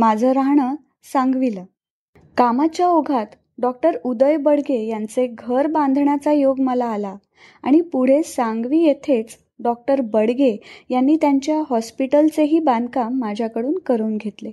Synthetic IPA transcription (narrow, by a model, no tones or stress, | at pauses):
mad͡zʱəɾaɦɳə | sãŋɡʋilə | kamat͡ɕjaoɡʱat̪ | ɖɔk̚ʈəɾud̪əjbəɽɡejant͡seɡʱəɾbãnd̪ʱɳjat͡sajoɡməlaːla | a̰ɽ̃ipuɽ̤esãŋɡʋiːjet̪ʰet͡s | ɖɔk̚ʈəɾbəɽɡejanːiːt̪jaɲt͡ɕjaɦɔspiʈəlt͡seɦiːband̪ʱkamːad͡ʑʱjakəɽuːnkəɾuːnɡʱet̪le